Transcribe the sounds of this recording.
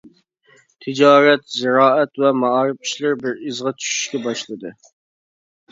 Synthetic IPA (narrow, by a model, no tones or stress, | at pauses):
t̪ʰɪd͡ʒɑːɾɛt̪zɪɾɑːɛt̪wɛmɑɑːɾɨpi̥ʃlɪɾbɪɾizʁɑt͡ʃʰy̥ʃy̥ʃkʲɛbɑʃlˠɨd̪ɨ